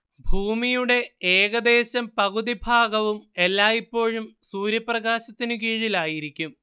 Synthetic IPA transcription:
bʱuːmijuɽe̞eːɣɐd̪e̞ːɕɐmpɐɣud̪ibʱaːɡɐʋume̞lːaːipːo̞ːɻumsuːɾjɐprɐɣaːɕɐt̪ːinɨk̬iːɻilaːjiɾikʲːum

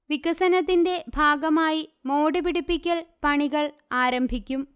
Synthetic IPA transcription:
ʋikɐsɐnɐt̪̬ːinde̞bʱaːɡɐmaːjimoːɽipiɽipːikʲːɐɭpɐɳiɣɐɭ | aːɾɐmbʱikʲːum

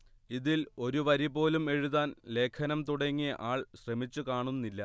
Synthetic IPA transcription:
iðilo̞ɾuʋɐɾipo̞ːlume̞ɻuðaːnle̞ːkʰɐnɐmt̪uɽɐŋːiʔaːɭɕremit͡ɕːukaːɳunːilːɐ

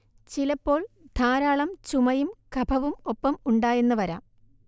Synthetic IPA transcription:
t͡ɕilɐpːo̞ːɭd̪̥ʰʱaːɾaːɭɐmt͡ɕumɐjumkɐbʱɐʋumopːɐmuɳɖaːje̞nːɨʋɐɾa̰ːm

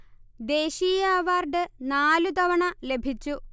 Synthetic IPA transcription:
d̪e̞ːɕiːjaːʋaːrɖɨnaːlut̪ɐʋɐɳɐle̞bʱit͡ɕːu

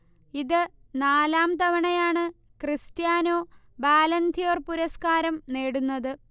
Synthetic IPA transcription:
iðɨ | naːlaːmt̪ɐʋɐɳɐjaːɳɨ | kristjaːno̞ːbaːlɐnt̪ijoːrpuɾɐskaːɾɐmneːɽunːɐðɨ

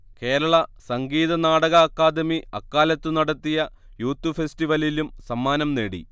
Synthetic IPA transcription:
ke̞ːɾɐɭɐsɐŋɡiːðɐnaːɽɐɣɐːkːaːd̪ɐmiɐkːaːlɐt̪ːɨnɐɽɐt̪ːijɐ | juːt̪ːufestiʋɐlilumsɐmːaːnɐmneːɽḭ

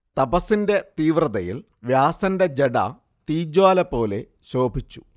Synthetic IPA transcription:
t̪ɐbɐsinde̞t̪iːʋrɐðɐjḭl | ʋjaːsɐnde̞d͡ʑeɽɐ̰ | t̪iːd͡ʑwaːlɐpo̞ːle̞ | ɕo̞ːbʱit͡ɕːu̥

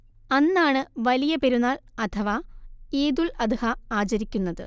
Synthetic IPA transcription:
ɐnːaːɳɨʋɐlijɐpe̞ɾunːaːlɐt̪ʰɐʋaeːd̪ulɐd̪ɨhɐaːt͡ɕɐɾikʲːunːɐðɨ̰

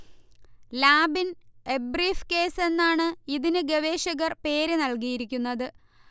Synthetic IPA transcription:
laːbine̞briːfke̞ːse̞nːaːɳɨiðinɨɡeʋe̞ːɕɐɣɐrpe̞ːɾɨnɐlk̬ijiɾikʲːunːɐðɨ

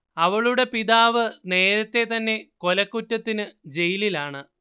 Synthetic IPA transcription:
ɐʋɐɭuɽe̞piðaːʋɨne̞ːɾɐt̪ːe̞t̪ɐnːe̞ko̞lɐkːutːɐt̪ːinɨd͡ʑe̞jililaːɳɨ

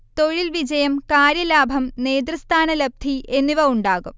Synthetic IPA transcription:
t̪o̞ɻilʋid͡ʑɐjɐmkaːɾjɐlaːbʱɐmne̞ːd̪rɐst̪ʰaːnɐlɐb̚d̪ʱiʔe̞nːiʋɐuɳɖaːɣum

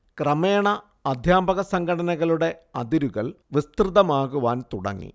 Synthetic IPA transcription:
krɐmeːɳɐ | ɐd̪ʱjaːbɐɣɐsɐŋɡʰʱɐɽɐnɐɣɐɭuɽe̞ɐ̰d̪iɾuɣɐɭ | ʋist̪rɨðɐmaːɣuʋaːnt̪uɽɐ̰ŋːḭ

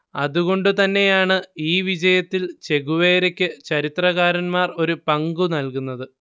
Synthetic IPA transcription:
ɐðuɣo̞ɳɖɨt̪ɐnːe̞jaːɳɨiːʋid͡ʑɐjɐt̪ːilt͡ɕe̞ɣuʋe̞ːɾekʲːɨt͡ɕɐɾit̪rɐɣaːɾɐnmaːro̞ɾupɐŋɡunɐlkunːɐðɨ

